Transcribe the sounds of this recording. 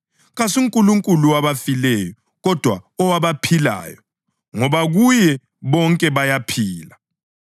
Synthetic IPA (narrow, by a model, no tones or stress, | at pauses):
ɣasuŋkʼuluŋkʼuluwaβafilɛjɔ | ɣɔd̥ʱwaɔwaβapʰila̰ːjɔ | ŋɔβaɣujɛ | βɔŋkʼɛβajapʰiːla